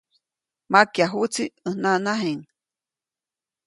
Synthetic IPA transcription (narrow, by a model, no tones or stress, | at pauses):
makjaɦut͡siənanaɦeŋ